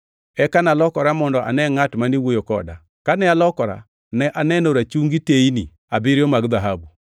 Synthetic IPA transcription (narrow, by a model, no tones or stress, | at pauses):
ɛkanalɔkɔɾamɔndɔʔa̰nɛŋatmanewojokɔ̰da | kanɛalɔkɔɾa̰ | nɛʔanɛnoɾat͡ʃuŋɡiteinḭ | abɪɾjɔmaɡðaɦabu